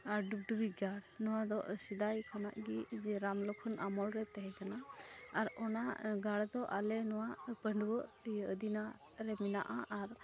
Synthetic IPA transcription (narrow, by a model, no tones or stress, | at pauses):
aɾɖup̚ɖubiɡaɽnɔwad̪ɔʔsid̪ajkʰɔna̰ʔɡid͡ʒɛɾamlɔkʰɔnʔamɔɽɾɛt̪ɛɦɛkanaːɾɔnaɡaɽd̪ɔʔalɛnɔwapəɳɖʱwɔʔəd̪ina | ɾɛmina̰ʔaʔaɾ